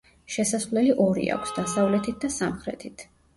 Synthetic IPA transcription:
ʃɛsaslɛliʔɔɾḭa̰kʷʰsd̪asavlɛt̪ʰit̪̚d̪asamχɾɛ̰t̪ʰit̪ʰ

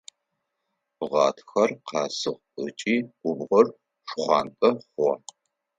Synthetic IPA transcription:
ʁɑːtʰxɐrqɑːsɨʁʷə̰t͡ʃʼiːɡʷʊbʁɐr | ʂχʷɑːntʼɐχʷɔ

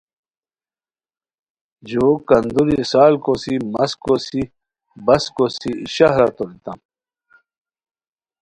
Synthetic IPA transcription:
d͡ʑokɐnd̪uɾisaːlkosimɐskosi | bɐskosiɕaɦɾat̪oɾit̪am

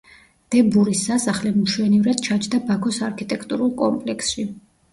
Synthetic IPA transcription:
d̪̥ɛbuɾisasaχlɛmuʃwɛnivɾad̪̥t͡ʃʰat͡ʃʰd̪abakʰɔsaɾkʰit̪ʼɛkʰt̪ʼuɾulˠkʼɔmpʼlɛkʰsʃi

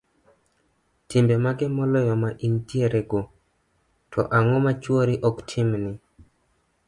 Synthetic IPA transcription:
tɪmbɛmaɡɛmɔlɔjɔmaʔintieɾeɡo | tʰɔ̰ʔaŋɔmat͡ʃwoɾiʔɔktʰɪmnɪ

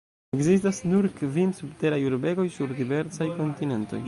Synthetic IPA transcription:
eɡzis̬tasnuɾkvinsubte̞ɾajuɾbe̞ɡo̞jsuɾdive̞ɾsajko̞ntine̞nto̞̰j

